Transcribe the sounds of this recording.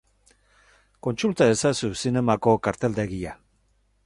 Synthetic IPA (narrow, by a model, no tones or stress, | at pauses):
ko̞nsult̪ae̞sasusine̞mako̞kaɾt̪e̞ld̪e̞ɣia